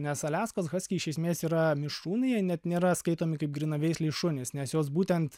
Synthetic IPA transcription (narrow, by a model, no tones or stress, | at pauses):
nʲɛsɐlʲæːskoːsɣɐsʲkʲiɪʃʲɛɪsʲmʲeːsiːɾɐmʲɪʃuːnʲɪjɛnʲɛt̪nʲeːɾɐskɐɪt̪oːmʲɪkɐɪp̚ɡɾʲɪnɐʋʲɛɪsʲlʲiɪʃʊnʲɪsnʲɛsjoːsbuːt̪ʲɛnt̪